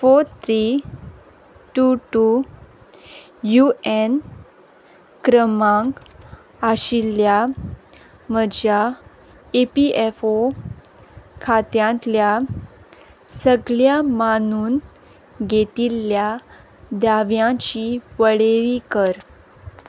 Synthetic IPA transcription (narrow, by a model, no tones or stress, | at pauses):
fot̪ʰɾi | ʈuʈu | juen | kɾəmãŋɡ | aɕilja | məd͡ʑja | epiefo | kʰat̪jãnt̪lja | səɡɭjamanuːn | ɡʱet̪ilːja | d̪aʋjãt͡ɕiʋəɽeɾikəɾ